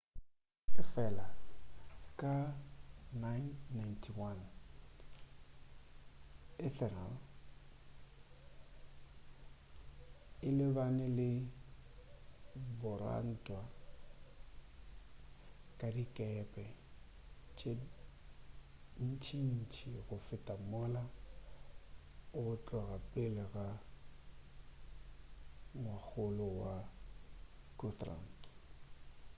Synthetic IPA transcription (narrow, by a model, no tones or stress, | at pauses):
ɪfɛla | ka | najnːajntʰiwan | ɪθɛnal | ɪlɪvanɪlɪ | bɔɾa̰n̩twa | kʼadikʼɛpʼɛ | t͡ʃʰʼe | n̩t͡ʃʰin̩t͡ʃʰiɣʊfɪtʼamʊla | ʊt͡ɬʼwɔɣapʼɪlɪɣa | ŋwak͡xʊlʊwa | kʊtra̰n̩t